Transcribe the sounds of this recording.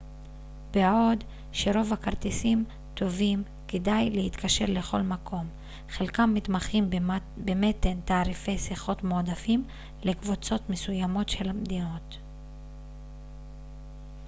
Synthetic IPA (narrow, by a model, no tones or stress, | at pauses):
beao̞d | ʃeʁo̞vakaʁt̪esim | t̪o̞vim | kedajle̞it̪kʰaʃe̞ʁle̞χo̞̰lmakʰo̞m | χe̞lkamːit̪maχim | bemet̪ːent̪aːʁife̞jsiχo̞tmoːd̪afim | le̞kvut͡so̞t̪mesujamo̞tʃe̞lhamd̪ino̞t̪